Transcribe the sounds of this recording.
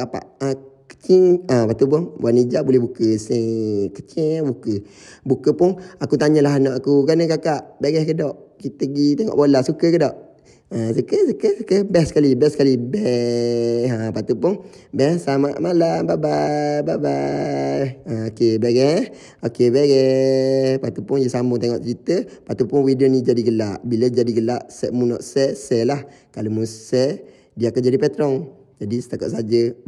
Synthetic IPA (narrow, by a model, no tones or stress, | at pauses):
kapa̰ʔəkə̥t͡ʃɪŋəpat̪up̬ʊnbuanid͡ʒaʔbulɛhbukəsɛŋkət͡ʃibukəbukəpʊnakut̪aɲəlaɦanɔʔakukanəkakaʔbeɡɛhkədɔʔkit̪əɡit̪eŋɔ̰ʔbolasukəkədɔʔ | əsəkəsəkəsəkəbɛhsə̥kalibɛskalibɛ | əpat̪upʊnbɛsamaʔmalababababa | əokebeɡɛ | okebeɡɛ | pat̪upʊnjəsamut̪eŋɔʔt͡ʃɾit̪əpat̪upʊnwidənid͡ʒadiɡəlaʔbiləd͡ʒadiɡəlaʔsɛʔmunɔ̰ʔsɛsɛlah | kalomusɛ | diakad͡ʒadipɛt̪ɾɔŋ | d͡ʒadist̪akɔ̰ʔsad͡ʒə